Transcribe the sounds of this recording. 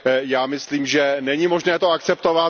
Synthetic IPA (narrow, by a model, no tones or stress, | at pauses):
jaːmɪsliːmʒɛnɛɲɪmo̞ʒnɛːt̪oakt͡sɛpt̪ova